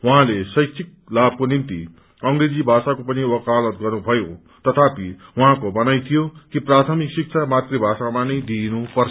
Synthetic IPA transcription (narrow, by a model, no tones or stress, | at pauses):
waɦãlesʌjt͡sʰik̚ | lab̚ʱkonimt̪ḭ | ʌŋɾed͡zibʱasakopʌniwʌkalʌt̪̚ɡʌrnubʱʌjo | t̪ʌt̪ʰapiwaɦãkobʌnajt̪ʰijokiprat̪ʰʌmiksik̚t͡sʰamat̪ribʱasamanʌjd̪inupʌrt͡sʰʌ